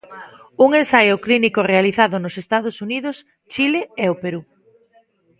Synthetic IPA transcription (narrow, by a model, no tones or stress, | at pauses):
uŋensajʊklinikʊrealiθaðʊnʊsest̪að̞ʊsuniðʊs | t͡ʃilɪɛopeɾu